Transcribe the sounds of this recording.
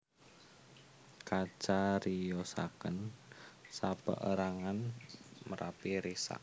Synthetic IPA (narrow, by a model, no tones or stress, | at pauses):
kḁt͡ʃaɾijosa̰kən | sab̥ə̰ʔəɾaŋanməɾʔapiɾisa̰ʔ